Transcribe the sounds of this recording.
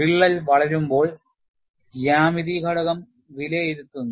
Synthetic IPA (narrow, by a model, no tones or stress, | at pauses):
iɭːɐlʋɐɭɐɾumbo̞ːɭ | jaːmiðiɡʱɐɽɐɣɐm | ʋileiɾut̪ːunːu